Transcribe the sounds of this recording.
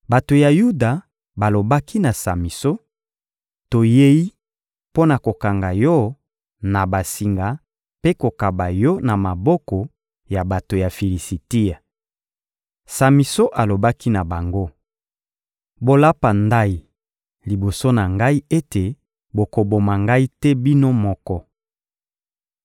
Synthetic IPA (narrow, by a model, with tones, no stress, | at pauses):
ba˨to˨ja˨ju˦da˨ | ba˨lo˨ba˦ki˦na˨sa˨mi˨so˦ | to˨je˦i˦ | po˦na˨ko˨ka˨ŋɡa˨jɔ˦ | na˨ba˨si˨ŋɡa˨ | pe˦ko˨ka˨ba˨jɔ˦na˨ma˨bɔ˦kɔ˨ | ja˨ba˨to˨ja˨fi˨li˨si˨ti˦a˨ | sa˨mi˨so˦ʔa˨lo˨ba˦ki˦na˨ba˨ŋɡo˦ | bo˨la˦pa˨nda˦i˨ | li˨bo˨so˦na˨ŋɡa˦i˦e˦te˨ | bo˨ko˨bo˨ma˨ŋɡa˦i˦tɛ˦bi˦no˦mɔ˦kɔ˦